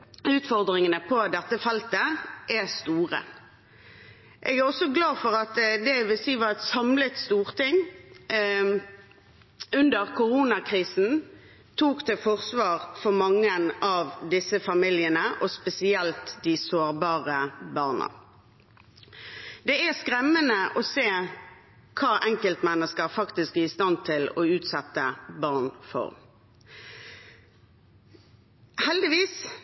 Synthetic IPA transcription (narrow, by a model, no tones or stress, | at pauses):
ʉːt̪fɔʁd̪ʁɪŋənəpʰɔd̪ɛt̪ːəfɛlt̪əʔæst̪uːʁə̰ | ʔeːɡæʁɔsɔɡlɑːfɔʁɑt̪d̪ɛʋɪlsiːʋɑɛt̪sɑmlət̪st̪uːʁt̪ɪŋ | ʉnd̪əʁkʰʊʁuːnɑkʰʁiːsn̩ | t̪ʰuːkt̪ʰɪfɔʁsʋɑːʁfɔʁmɑŋːəənɑʋd̪ɪsəfɑmɪljənəʔɔspɛsɪɛlt̪d̪ɪsoːʁbɑːʁəbɑːʁnə̰ | d̪ɛæskʁɛmːənəʔɔseː | kʰɑːʔɛŋkəlt̪mɛnːəskəʁfɑkt̪ɪskæɪst̪ɑnt̪ʰɪlɔʉːt̪sɛt̪ːəbɑːʁnfɔ̰ʁ | hɛld̪ɪʋiːs